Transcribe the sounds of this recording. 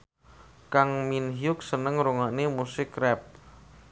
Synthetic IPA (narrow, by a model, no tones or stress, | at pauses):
kaŋminɦjʊk̚sənəŋɾuŋanemusɪkrɛp̚